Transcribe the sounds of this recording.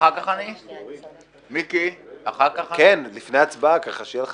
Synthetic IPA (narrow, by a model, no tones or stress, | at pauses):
akaχani | mikiaχakaχkenlifnejat͡sbakaχaʃejel